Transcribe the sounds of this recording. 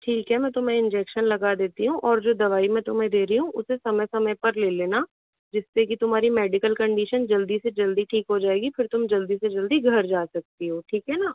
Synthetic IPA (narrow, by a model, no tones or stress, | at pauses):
ʈʰiːkɦɛmɛ̃ːt̪ʊmɛ̃ɪ̃nd͡ʒɛːkʃənlɐɡaːd̪eːt̪iɦũʔɔːɾd͡ʒoːd̪ɐʋaːimɛ̃t̪ʊmẽd̪eːɾiɦũʔʊsesɐməjsɐməjpɐɾleːleːna | d͡ʒɪsːekit̪ʊm̤ɦaːɾimɛːɖɪkəlkɐ̃ɳɖiːʃənd͡ʒɐld̪ised͡ʒɐld̪iʈʰiːkɦod͡ʒaːeːɡifɪɾt̪ʊmd͡ʒɐld̪ised͡ʒɐld̪iɡʱɐɾd͡ʒaːsɐk̚t̪iɦoːʈʰiːkɦɛnaː